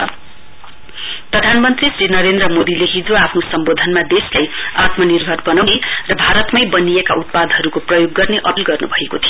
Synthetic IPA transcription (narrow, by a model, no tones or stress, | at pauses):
prʌd̪ʱanmʌnt̪risrinʌɾend̪rʌmod̪ileɦid͡zoapʰnosʌmbod̪ʱʌnmad̪eslajat̪mʌnirbʱʌrbʌnawnerʌbʱaɾʌt̪mʌjbʌnijekaut̪̚pad̪ʱɦʌɾukoprʌjoɡːʌrneʔʌpilɡʌrnubʱʌekot̪ʰijo